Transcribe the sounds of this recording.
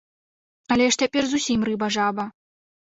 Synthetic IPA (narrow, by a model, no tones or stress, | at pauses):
ɐlʲɛʂt͡sʲapʲɛrzusʲimrɨbɐʐabɐ